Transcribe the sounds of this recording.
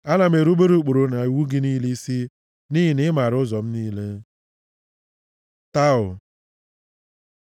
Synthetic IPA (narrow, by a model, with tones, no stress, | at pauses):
a˦na˨m̩˦e˨ɾu˦ɡ͡be˦ɾu˦k͡po˨ɾo˨na˨i˨wu˦ɡɪ˦ni˦li˦si˦ | ni˦ɦi˨nɪ˦ma˨ɾʊ˦zɔ˨m̩˦niː˦le˦ | ta˦ʊ˨